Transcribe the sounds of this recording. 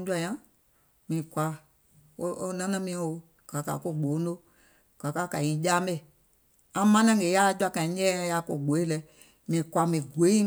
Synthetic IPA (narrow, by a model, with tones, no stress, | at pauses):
d͡ʒu˦a˧jã˦ | mĩː˨kʷa˧˦ | o˦o˧˦nã˦nã˦mĩː˨˦o˨ | ɡ̥a˨ka̰˨ko˦˨ɡ͡bo˨˦no˦ | ɡ̥a˨ka˦ka˨ɲĩ˨˦d͡ʒaː˦mɛ˦˨ | ã˧˦mã˦nã˦ŋɡe˨˦ja˦d͡ʒwa˧˨kã˨ĩ˨˦ɲɛ̃ː˦˧˦ja˧ko˧˨ɡ͡bo˨˦e˦lɛ˨˦ | mĩː˨kʷa˨˧mĩ˨ɡʷe˨˦i˦